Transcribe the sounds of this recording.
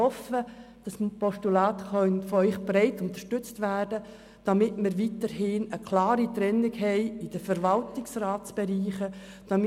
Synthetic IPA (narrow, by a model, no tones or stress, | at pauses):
ɔfə | d̥ɑspɔsʃtulɑːt̪χœnfɔœʏχb̥ɾɛɪtʊnt̪ə̥ʃtʏt͡stʋæːrdə | d̥ɑmɪtmɪɾʋitəɾhɪnəkʰlɑːɾit̪ɾɛnːɪɡhɛɪɪd̥əfəɾvɑltɪksrɑːtt͡sb̥ɛɾiːχə | d̥ɑm